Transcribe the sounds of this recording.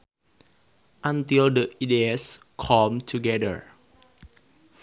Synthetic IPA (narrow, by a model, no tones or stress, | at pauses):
ʔãnt̪ildəʔides | kʰɔmtʰuɡɛdə̰ɹ